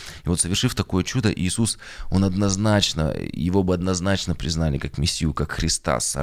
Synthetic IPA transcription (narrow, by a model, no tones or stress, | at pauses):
ɪvo̞t̪səvʲɪrʂɨft̪ɐko̞jət͡ɕud̪əʔiːsus | o̞nɐd̪nɐznat͡ɕnə̰jɪvo̞bɨɐd̪nɐznat͡ɕnəpɾʲɪznalʲɪkakmʲɪsʲːijʊkakxɾʲɪst̪a̰sɐ̰